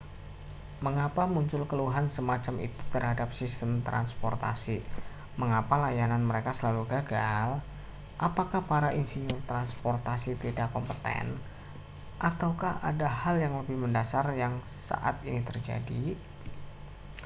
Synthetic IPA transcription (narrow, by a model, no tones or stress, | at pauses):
məŋapamuɲt͡ʃʊlkəluɦansəmat͡ʃamḭt̪u̥t̪ərɦadap̚sist̪əmt̪ɾʔa̰nspɔ̰rt̪a̰si | məŋapalajananməɾekasəlaluɡaɡal | ʔapakahpaɾaʔinsiɲʊrt̪ɾanspɔrt̪asit̪idakːɔmpət̪ɛ̰n | ʔat̪awkaha̰dahaljaŋləbɪhməndasarjaŋ | sa̰ʔa̰t̪init̪ərd͡ʒa̰di